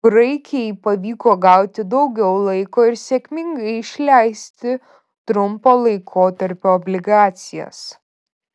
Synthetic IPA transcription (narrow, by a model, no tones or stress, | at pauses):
bɾɐɪkʲɛjpɐʋʲiːkoːɡɐˑʊt̪ʲɪd̪ɒʊɡʲɛʊlˠɐɪkoːɪɾsʲekʲmʲɪŋɡɐɪɪʃʲlʲæɪsʲt̪ʲɪ | t̪ɾʊmpoːlˠɐɪkʰoːt̪ɐɾʲpʲoːɔːbʲlʲɪɡɑːt̪sʲɪjɛ̰s